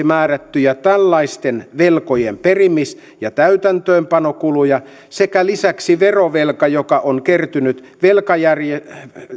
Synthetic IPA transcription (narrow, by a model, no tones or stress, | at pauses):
mæːræt̪ːyjæt̪ælːɑist̪enʋelkojemperimis | jɑt̪æyt̪ænt̪øːmpɑnokulujɑ | sekælisæksiʋeroʋelkɑjokɑʔoŋkert̪ynyt̪ | ʋelkɑjærje